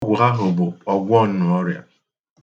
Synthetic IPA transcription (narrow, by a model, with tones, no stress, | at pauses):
ɡʷʊ˨ɾa˦ɦʊ˨bʊ˨ɔ˨ɡʷɔ˦˨n̩˦nʊ˨ɔ˦ɾja̰˨